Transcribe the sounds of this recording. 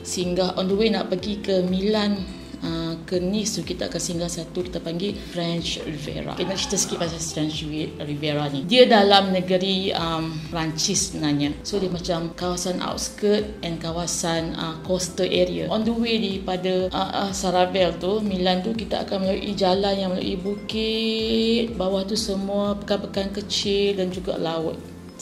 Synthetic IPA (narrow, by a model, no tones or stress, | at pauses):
siŋɡaɦʔɔndəwena̰ʔpəɡikəmĩlan | əkənist̪ukit̪aa̰kansiŋɡahsat̪ukit̪apaŋɡifɾɛnt͡ʃrivɛ̰ɾa̰kinaʔt͡ʃi̥t̪əsə̥kipasafɾɛnt͡ʃwiriveɾanidiədalamnəɡəɾiəmpɾaɲt͡ʃissənaɲasodiəmãt͡ʃamkawasana̰wt̪̚skət̪̚ɛnkawasanə̰kɔst̪əʔeɾia̰ʔɔndəwedipadaʔəsaɾavɛlt̪umĩlant̪ukit̪aa̰kanməlaʔid͡ʒalanjaŋməla̰ʔḭbuki | t̪̚bawaht̪usəmũapəkapəkankət͡ʃɪldand͡ʒuɡa̰laʊt̪̚